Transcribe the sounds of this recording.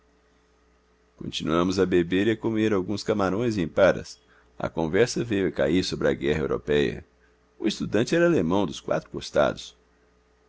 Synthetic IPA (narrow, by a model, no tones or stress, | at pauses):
kõ̰nt͡ʃinuɐ̃mʊzɐbebeɾɪɐkomeɾawɡũskɐmaɾõj̃zẽj̃paɾɐ̰s | ɐ̰kõvɛɾsɐvejʊɐka̰iɾsobɾɪɐɡɛɦɐewɾo̰pɛjɐ̰ | ʊest̪ud̪ɐ̃nt͡ʃɪɛɾɐalemɐ̃w̃d̪ʊskwa̰t̪ɾʊ̥kost̪a̰d̪ʊs